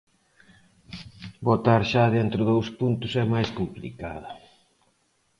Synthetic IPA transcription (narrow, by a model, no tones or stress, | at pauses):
bot̪aɾʃaðent̪ɾʊðowspunt̪ʊsɛmajskomplḭkaðɐ